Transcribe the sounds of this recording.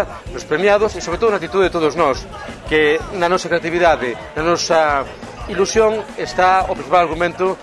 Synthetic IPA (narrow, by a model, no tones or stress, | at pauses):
lospɾemjað̞osisoβɾet̪oðonat̪it̪uðeet̪oðoznɔs | kenanɔsakɾeat̪iβiðaðe | nanosa | ilusjoŋest̪aopɾĩθipalaɾɣumẽnt̪o